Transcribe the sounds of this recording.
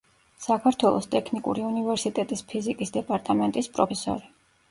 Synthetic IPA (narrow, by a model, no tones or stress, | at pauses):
sakʰaɾt̪ʰwɛlˠɔ̰st̪ʼɛkʰnikʼṵɾiunivɛɾsit̪ʼɛt̪ʼispʰizikʼisd̪ɛpʼaɾt̪ʼamɛnt̪ʼispʼɾɔpʰɛsɔ̰ɾi